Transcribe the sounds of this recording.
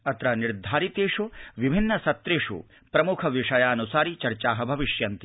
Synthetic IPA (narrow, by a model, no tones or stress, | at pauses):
ɐt̪ɾɐniɾd̪ʱaːɾit̪eːʂuʋibʱinːɐsɐt̪ɾeːʂṵ | pɾɐmukʰɐʋiʂɐjaːɐnusaːɾit͡ʃɐɾt͡ʃaːɦɐbʱɐʋiʂjɐnt̪i̥